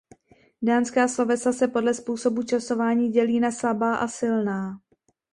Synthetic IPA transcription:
daːnskaːslovɛsasɛpo̞dlɛspuːso̞but͡ʃaso̞vaːɲiːɟɛliːnaslabaːʔasɪlnaː

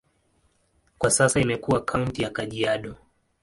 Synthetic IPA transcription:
kwasasaimɛkuakʰauntijakaʄiaɗɔ

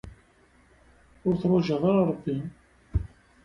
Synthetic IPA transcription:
ʊɾθɾˤʊʒəðˤɑɾɾˤəbːin

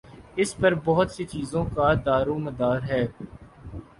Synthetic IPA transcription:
ɪspɐɾbɐɦʊt̪set͡ʃiːzõkad̪aːɾũmɐd̪aːɾɦɛː

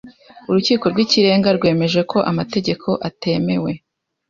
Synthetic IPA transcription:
uɾuciːko̞ɾɡwiciɾe̞ːŋɡaɾɡwe̞ːme̞ʒe̞kʰo̞ʔamate̞ɟe̞kʰo̞ʔate̞me̞we̞

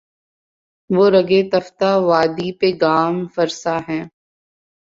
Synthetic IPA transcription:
ʋoːɾɐɡet̪ɐft̪aʋaːd̪ipeɡaːmfɐɾsaɦɛ̃ː

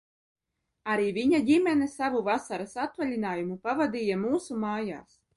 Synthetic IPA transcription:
aɾiːvʲiɲadʲimʲɛnɛsavuvasaɾasat̪valʲinaːjumupavad̪ʲiːjamuːsumaːja̰ːs

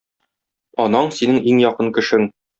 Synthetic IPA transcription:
ɒnɑɴsinɘŋʔiŋjɒqɤnkɘ̆ʃɘŋ

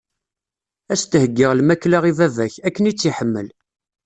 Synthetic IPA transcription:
æst̪əhəɡːɪʁlmækːlaʁivævæçækːənit͡sːiħəmːəl

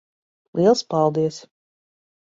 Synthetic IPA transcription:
lˠʔiɛlˠspalˠd̪iɛs

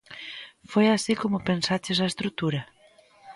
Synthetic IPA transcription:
fojasikomʊpensat͡ʃɪsaest̪ɾut̪uɾɐ

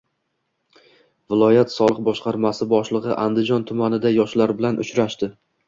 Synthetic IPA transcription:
vɪlˠɒjat̪sɒlˠɨq̚bɒʃqɑɾmasɪbɒʃlˠɨʁɨ̰ʔand̪ɪd͡ʒɒnt̪ʰʊmanɪd̪ajɒʃlaɾbɪlanʔʊ̰t͡ʃɾaʃt̪ɪ

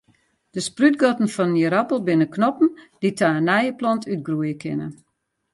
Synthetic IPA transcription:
d̥əsprytɡɔtn̩fɔnjəɾapəl̩ˠbɪnəknɔpn̩d̥itʰaːənɛjəplɔntʰyt̚ɡruəjəkʰɪnə

